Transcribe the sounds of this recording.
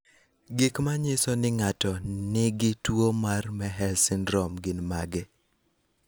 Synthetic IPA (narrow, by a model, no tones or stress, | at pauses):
ɡikmaɲɪsɔnɪŋatɔnɪɡɪtwomarmɛɦɛlsɪnɾɔmɡɪnmaɡɛ